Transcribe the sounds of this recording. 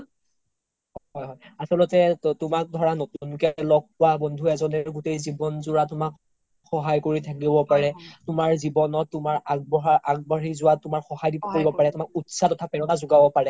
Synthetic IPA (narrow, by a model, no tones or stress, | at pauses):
ɦɦɔjɦɔjasɔlɔtɛtʊmak̚dʱɔɹanotunkɛlɔɡ̚pːʊabɔndʱuɛzɔnɛɹɡutejzibɔnzʊɹatʊmak | xɔɦajkoɹitʰak̬ibɔpaɹɛtʊmaɹzibɔnɔtːʊmaɹaɡ̚bɔɦaʔaɡ̚baɹizʊwatʊmaɹxɔhajdip̚koɹibɔpaɹɛtʊmak̚utsatɔtʰapɛɹɔnazʊɡabɔpaɹɛ